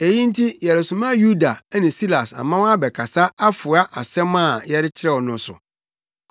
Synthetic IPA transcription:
e˨ji˦n̩˦tʰi˦jɛ˨ɾɪ˨sũ˨mã˦ju˦da˨˦nɪ̃˨si˦la˨sa̰˨mã˦wa˦bɛ˨kʰa˨sa˦a˦fʊ˨a˦ʔa˨sɛ̃˦mã˦˨jɛ˦ɾɪ˦t͡ɕʰɪ˦ɾɛ˦wɔ˨nʊ̃˨˦sʊ̰˨

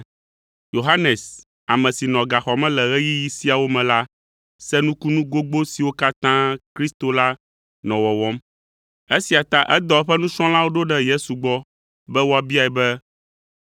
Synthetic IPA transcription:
jo˨ɦa˦nɛ˨s | a˨mɛ̃˨si˨nɔ̃˨ɡa˨xɔ˨mɛ̃˦lɛ˨ɣɛ˦ji˦ji˦si˦a˨wo˦mɛ̃˨la˦ | sɛ˦nũ˦ku˦nũ˦ɡo˦ɡ͡bo˦si˨wo˦ka˦t̪ã˦kɾi˦st̪o˨la˦ | nɔ̃˨wɔ˨wɔ˦m | e˦si˨a˨t̪a˦ʔɛ˦d̪ɔ˦ɛ˦ɸɛ˦nũ˦sɔ̃˦lã˦wo˦ɖo˦ɖɛ˦je˦su˨ɡ͡bɔ˦ | bɛ˦wo˦a˨bi˦a˨ɛ˨bɛ˦

